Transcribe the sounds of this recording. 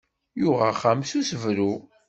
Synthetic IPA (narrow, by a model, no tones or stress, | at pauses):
jʊʁaχamsusəvɾu